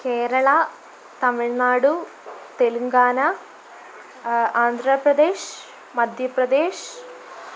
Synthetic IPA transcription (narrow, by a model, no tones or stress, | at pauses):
keːɾɐɭɐ | t̪ɐmiɻnaːɽu | t̪e̞luŋɡaːnɐ | aːnd̪ʱɾɐpɾɐd̪e̞ːʂ | mɐd̪ʱjɐpɾɐd̪e̞ːʂ